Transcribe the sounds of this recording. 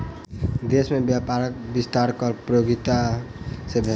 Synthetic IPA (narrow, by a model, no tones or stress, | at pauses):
d̪esmejapaɾbist̪aɾkəɾpɾəjoɡit̪asẽbʱe